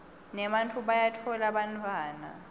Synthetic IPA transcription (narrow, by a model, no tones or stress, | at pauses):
nɛɓantʰʼuɓajatʰɔlaɓantʰʼwaːna̰